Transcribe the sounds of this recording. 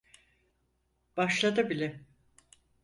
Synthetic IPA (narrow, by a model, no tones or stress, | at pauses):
b̥aʃlˠad̪ɯbilʲɛ